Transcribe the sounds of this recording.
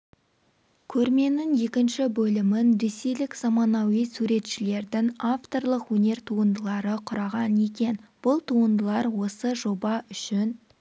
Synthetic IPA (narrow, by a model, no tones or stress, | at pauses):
kʲʰɵɾme̞nɪŋje̞kʲɪnʃɪbɵlɪmɪnɾe̞sejlɪkzɑmɑnɑwijsuɾe̞t̪ʃɪle̞ɾd̪ɪŋaft̪o̞rlˠəqwɵne̞ɾt̪ʰuənd̪əlˠɑɾəqʰʊɾɑʁɑne̞kʲe̞nb̥ʊlˠt̪ʰuənd̪əlˠɑɾwo̞səʒo̞bɑʏʃɪn